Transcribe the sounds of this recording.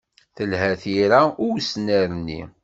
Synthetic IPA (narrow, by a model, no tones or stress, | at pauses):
θəlhæθiɾaʊwsnæɾənːḭ